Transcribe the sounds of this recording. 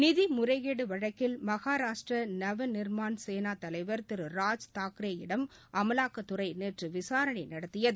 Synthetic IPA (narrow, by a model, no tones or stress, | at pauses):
nɪðimʊɾɐɪɣeːɽɯʋɐɻɐkːɪlmɐɣaːɾaːʂʈrɐnɐʋɐnɪɾmaːnseːnaːt̪ɐlɐɪʋɐɾt̪ɪɾɯɾaːd͡ʒt̪aːkɾeːjɪɽɐmʔɐmɐlaːkɐt̪ːʊɾɐɪneːʈrɯʋɪsaːɾɐɳɪnɐɽɐt̪ːɪjɐðɯ